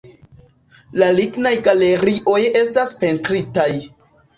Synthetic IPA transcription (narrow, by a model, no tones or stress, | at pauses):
laliɡnajkale̞ɾiʔo̞je̞staspe̞ntɾitaj